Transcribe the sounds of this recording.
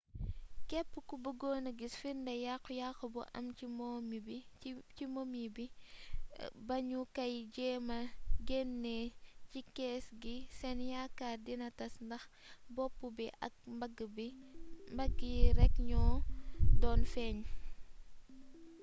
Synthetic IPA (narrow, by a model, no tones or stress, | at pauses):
kɛpːukubəɡɔːnəɡisfirndɐjakːujaxubṵʔɐ̰mcimɔmibicimomibi | bɐɲukɐjɟɛːmɐɡɛnːɛcikɛːsɡisɛnjakːaːrdinɐtɐsndɐx | bɔpːubiʔɐ̰k̚mɐɡbimbɐɡiɾɛkɲɔːdɔːnfɛːɲ